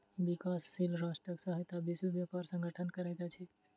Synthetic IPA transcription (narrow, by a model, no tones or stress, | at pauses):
ʋikasːilɾasʈɾəksaɦət̪abisʋiʋjapaɾsə̃ŋɡʱəʈʰənkəɾat̪at͡ʃʰɛ